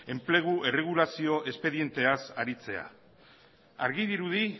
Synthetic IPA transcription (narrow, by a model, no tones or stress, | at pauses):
e̞mple̞ɣ̞uʔe̞re̞ɣ̞ulasio̞ʔe̞spe̞ðie̞nt̪e̞asaɾit͡se̞a̰ | aɾɣiðiɾuði